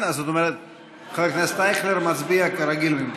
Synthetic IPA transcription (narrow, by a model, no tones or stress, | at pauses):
nazot̪omɛɾɛt̪̚ | χelknɛst̪ajχleɾmat͡sbiakaɾaɡilmim